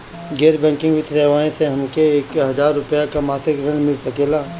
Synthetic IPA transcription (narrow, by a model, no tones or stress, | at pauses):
ɡeːɾbɛ̃ːŋkɪ̃ŋɡʋɪt̪seːʋaːẽseɦɐmkeːkɦɐzaːɾːʊpjakamaːsɪkɾɐ̃nmɪlsɐkeːlaː